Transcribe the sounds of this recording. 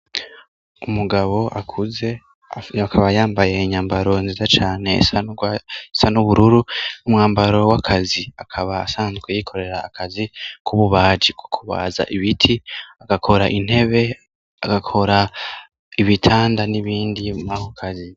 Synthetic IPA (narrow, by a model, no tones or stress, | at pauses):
umuɡaβo̞ʔakʰuze̞ | akʰaβajaːmbaje̞iɲaːmbaɾo̞nzizat͡ʃaːne̞sa | sanuβuɾuɾunumŋaːmbaɾo̞wakʰaziakʰaβa̰ːsaːnzɡwejikʰo̞ɾe̞ɾaːkʰazikʰuβuβaːd͡ʒiko̥kʰuβa̰ːza̰ʔiβitʰiaɡakʰo̞ɾaʔin̥he̞βe̞ | aɡakʰo̞ɾa | iβitʰaːndaniβiːndimahokʰazi